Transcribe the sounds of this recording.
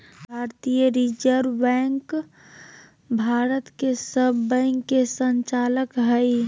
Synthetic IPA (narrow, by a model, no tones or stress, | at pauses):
bʱaːɾt̪ijəɾid͡ʒəɾbɛ̃ŋk | bʱaːɾət̪kesəbːə̃ɪŋkːesənt͡ʃaːləkɦəi